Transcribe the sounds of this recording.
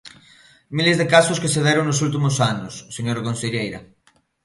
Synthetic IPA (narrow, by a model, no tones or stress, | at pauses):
milezðekasʊskeseðɛɾoŋnosult̪̬imʊsanʊsːeɲoɾakonseʎejɾɐ̰